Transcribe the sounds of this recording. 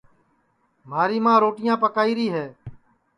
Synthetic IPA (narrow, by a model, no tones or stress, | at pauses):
m̤aːɾiːmãːɾoːʈɪjãːpəkaːiːɾiːɦɛː